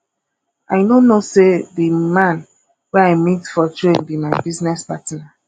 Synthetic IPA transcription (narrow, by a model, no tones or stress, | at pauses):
aɪnõnosedimãn | wɛaɪmitfɔtɹẽnbimaɪbiznɛspatna